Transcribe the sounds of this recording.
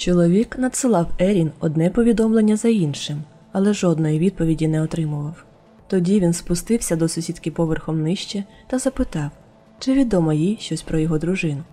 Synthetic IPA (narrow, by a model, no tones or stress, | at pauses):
t͡ʃɔlˠɔʋʲiknɐd̪sɪlˠɑwɛɾʲinɔd̪nɛpɔʋʲid̪ɔmlˠe̞nʲːɐzɐinʃɪm | ɐlˠɛʒɔd̪nɔjiʋʲid̪̚pɔʋʲidʲinɛɔt̪ɾɪmʊʋɐw | t̪ɔdʲiʋʲinspʊst̪ɪwsʲɐd̪ɔsʊsʲit̪kʲɪpɔʋerxɔmnɪʃt͡ʃɛ | t̪ɐzɐpɪt̪ɑw | t͡ʃɪʋʲid̪ɔmɔjijʃt͡ʃɔsʲpɾɔjɔɦɔd̪ɾʊʒɪnʊ